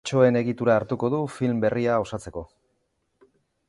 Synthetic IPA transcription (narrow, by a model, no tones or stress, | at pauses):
t͡ʃo̞e̞ne̞ɣit̪uɾaːɾt̪uko̞ð̞ufilmbe̞riao̞sat͡se̞ko̞